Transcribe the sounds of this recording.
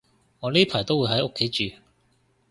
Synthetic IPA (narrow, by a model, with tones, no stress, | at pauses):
ŋɔː˨˧liː˥pʰaː˨˩jt̪o˥wuː˨˧jɦɐ˨˥jo˥kʰːe˨˥jt͡ʃyː˨˧